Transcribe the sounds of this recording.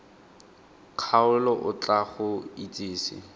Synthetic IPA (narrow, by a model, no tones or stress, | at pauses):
q͡χʰaʊlɔʔʊt͡ɬʼaχʊit͡sʼiːsɪ̰